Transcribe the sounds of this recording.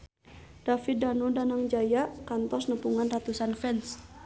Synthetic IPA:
d̥afit̪̚danodanaŋd͡ʒajaʔkant̪ɔsnəpuŋanrat̪usanfɛns

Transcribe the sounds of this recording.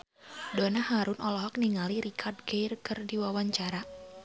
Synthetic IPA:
dɔnahaɾʊnʔɔlɔɦɔk̚niŋaliɾikʰardɡejrkərdiwawaɲt͡ʃaɾa

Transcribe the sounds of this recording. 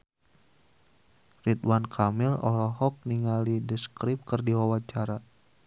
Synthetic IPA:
rit̪wankʰamilɔ̰lɔɦɔk̚niŋalidəskɾip̚kərdiwawat͡ʃaɾa

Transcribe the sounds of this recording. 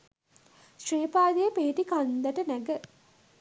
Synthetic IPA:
sreːpaːd̪ejəpeɦiʈikand̪əʈənæɡə

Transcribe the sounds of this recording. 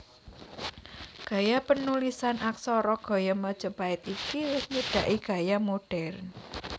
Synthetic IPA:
ɡ̥ä̤japənulisanʔaksɔɾɔɡ̥ɔ̤jamɔd̥ʒ̥ə̤paɪt̪ikiwʊsɲəɖ̥ä̤ʔiɡ̥a̤jamoɖ̥ɛrn

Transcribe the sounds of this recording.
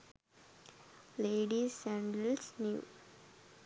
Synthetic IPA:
leːɖisæ̃ɳɖəlsnjṵː

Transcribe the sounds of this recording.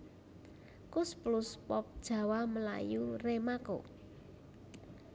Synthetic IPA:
kʊsplʊspɔp̚d̥ʒ̥ä̤waməla̰juremako̰

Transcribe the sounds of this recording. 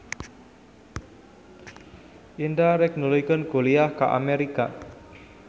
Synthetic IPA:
ʔindaɾɛk̚nulujkənɡ̥o̤liahka̰ʔa̰meɾika

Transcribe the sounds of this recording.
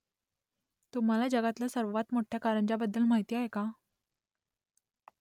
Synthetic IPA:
t̪um̤alad͡ʑəɡat̪lasəɾʋat̪moʈʰjakaɾəɳt͡ɕabəd̪ːəlmaɦit̪iaɦeka

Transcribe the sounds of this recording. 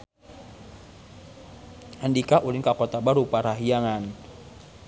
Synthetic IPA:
andikaʔulɪŋkakɔt̪abaɾupaɾaɦijaŋan

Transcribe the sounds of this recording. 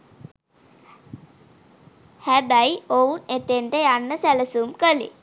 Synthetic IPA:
hæbæjounet̪enʈəjanːəsæləsumkəlḭ

